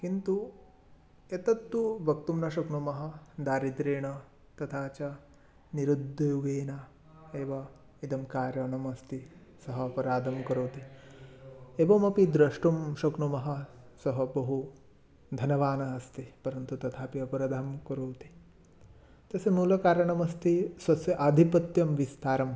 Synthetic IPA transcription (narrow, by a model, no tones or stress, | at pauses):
kint̪u | et̪ɐt̪ːubɐk̚t̪umnɐʃɐkɳumɐɦɐ̆d̪aːɾid̪ɾeːɳɐ | t̪ɐt̪ʰaːt͡ʃɐ | niɾud̪ʱːɐjuɡeːnɐ | eːʋɐ | id̪ɐmkaːɾjɐɳɐmɐst̪isɐɦɐːpɐɾaːd̪ʱɐmkɐɾoːt̪i | eːʋɐmɐpid̪ɾɐʂʈumʃɐkɳumɐɦɐ | sɐɦɐbɐɦu | d̪ʱɐnɐʋaːnɐɐst̪ipɐɾɐnt̪ut̪ɐt̪ʰaːpiɐpɐɾɐd̪ʱamkɐɾoːt̪i̥ | t̪ɐsɐmuːlɐkaːɾɐɳɐmɐst̪isʋɐsjɐʔad̪ʱipɐt̪jɐmʋist̪ʰaːɾɐm